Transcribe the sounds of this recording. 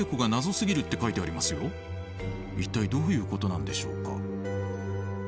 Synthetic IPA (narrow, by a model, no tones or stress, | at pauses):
ekɯ̟ɡanazo̞sɨɡʲiɾɯ̟t̪ːe̞kait̪e̞aɾʲimasɨjo̞ | it̪ːaid̪o̞ːjɯ̟ːko̞t̪o̞nãnd̪e̞ɕo̞ːka̰